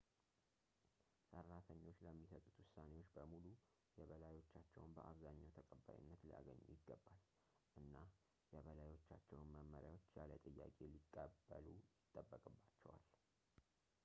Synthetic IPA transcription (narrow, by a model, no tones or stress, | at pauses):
sərːat̪ʰəɲːo̞t͡ʃːləmːisət̪ʼut̪wʊsːane̞wo̞t͡ʃːbəmulu | jɛβəlajo̞t͡ʃːat͡ʃːɛwnbəʔaβzaɲːawt̪ʰəkʼəbːa̰jṵnːət̪lija̰ɡə̰ɲːṵjɪɡːəbːal | ʔɨnːa | jɛβəlajo̞t͡ʃːat͡ʃːɛwnməməɾjawo̞t͡ʃːjalət̪ʼɨjːa̰kʼe̞likʼːəbːəlujɪt̪ʼːəbːəkʼɨbːat͡ʃːɛwa̰l